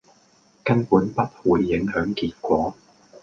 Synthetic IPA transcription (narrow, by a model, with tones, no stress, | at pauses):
kɐ˥npuː˨˥npɐ˥t̚wuː˨˧jːɪ˨˥ŋɦœː˨˥ŋkiː˧t̚kʷɔː˨˥